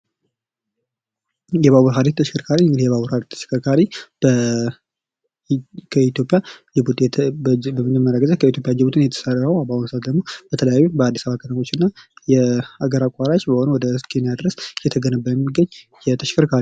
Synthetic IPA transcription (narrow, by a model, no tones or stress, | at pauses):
jɛβaβuɾɦad̪it̪ʰːəʃɪ̥kʰəɾkʰaɾiɨŋɡɨdijɛβaβuɾhad̪it̪ʰːə̥ʃɪ̥kʰəɾkʰaɾibə | kʰəit̪jo̞pʼːja | ɛbut̪ʰ | bəmɨd͡ʒəmːəɾaɡəzəkʰəit̪̬ʰʲjo̞pʼjad͡ʒɛbut̪ʰɨnjɛt̪ʰə̥sərəwabawməsat̪d̪əɡmo̞b̥ət̪ʰələjajːumbəad̪ːisəβakʰət̪ʰəmo̞t͡ʃːɪnːajɛaɡəɾakʷʼaɾat͡ʃbəhonəwɔd̪əɨskʰʼenjad̪ɾəsjɛt̪ʰəɡənəbːəjɛmːiɡəɲː | jɛt̪ʰəʃɪ̥kʰəɾkʰaɾi